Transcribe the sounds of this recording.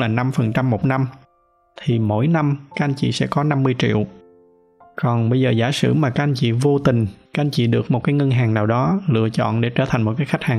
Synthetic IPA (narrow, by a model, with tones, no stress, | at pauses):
laː˨˩na˧mfə˨˩nt͡ɕa˧mːo˨˩t̚na˧m | t̪ʰi˨˩mo̰˧˥˨jna˧mkaː˦˥kʔa˧jnt͡ɕḭ˧˨sɛ̰˧˥kɔ˨˦na˧mːɨ˧əjt͡ɕḭ˧˨əw | kɔ˨˩nɓə˧jzəː˨˩zaː˧˩sɨ̰˧˩maː˨˩kaː˦˥k̚ʔa˧jnt͡ɕḭ˧˨vo˧t̪ï˨˩ŋ̟ka˦˥k̚ʔa˧nt͡ɕḭ˧˨ɗɨ˨˩ək̚mo˨˩t̚kaː˨˦jŋə˧nɦaː˨˩ŋnaː˨˩wɗɔ˨˦lɨ̰˧ət͡ɕɔ̰˧˨nɗe˧˩t͡ɕəː˧˩t̪ʰa˨˩ŋ̟mo˨˩t̚kaː˨˦jxa˦˥k̟̚haː˨˩